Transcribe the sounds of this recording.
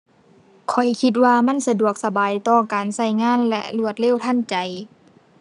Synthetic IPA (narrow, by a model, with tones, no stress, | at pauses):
kʰɔ˨˩jkʰi˧t̪̚waː˧ma˧˥˨nsa˧du˨˩ək̚sa˧baː˨jt̪ɔː˧kaː˨˩nsa˧˩jŋaː˧˥˨nlɛ̰˧lu˧˩ət̪̚le˧˥˨wt̪ʰa˧˥˨nt͡ɕa˨˩j